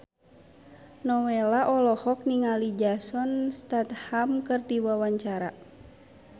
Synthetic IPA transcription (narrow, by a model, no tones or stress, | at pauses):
nɔwelaʔɔlɔhɔk̚niŋalid͡ʒasɔnst̪at̪hamkɨrdiwawaɲt͡ʃaɾa